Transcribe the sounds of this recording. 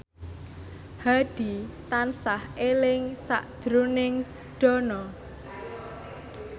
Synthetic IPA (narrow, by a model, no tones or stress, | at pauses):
haɖ̪̥i̤t̪ansahelɪŋsa̰ʔd̥ʒ̥ɾunɪŋ | ɖ̥ɔnɔ